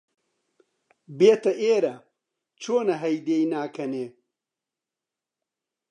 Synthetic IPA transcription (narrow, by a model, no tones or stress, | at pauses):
beːt̪ɐʔeːɾɐ | t͡ʃʰoːnɐɦɐjd̪eːjnaːkʰɐneː